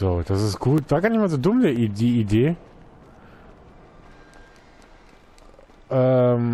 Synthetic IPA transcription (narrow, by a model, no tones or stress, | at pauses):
z̥oːd̥asɪstɡ̥uːtv̥aːɡanɪçmazoːdʊmdɛidiːideː | ʔɛm